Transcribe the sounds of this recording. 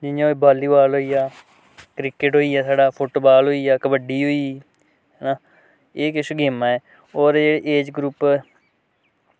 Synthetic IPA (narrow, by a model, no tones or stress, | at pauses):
d͡ʒɪjãːoibʱaːliːbaːlɦoːiːaː | kɾɪkɪʈɦoːiːaːsaːɖaːpʰoːʈoːbaːlɦoːiːaːkəbəɖiːɦoːiː | ɦɛnaː | eːkɪʃoɡeːmãːɛː | oːɾd͡ʒeːɽeːʔeːd͡ʒɡɾuːp